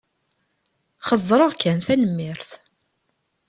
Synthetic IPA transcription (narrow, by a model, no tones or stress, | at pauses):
χəzˤɾˤoʁkænθænəmːɪɾθ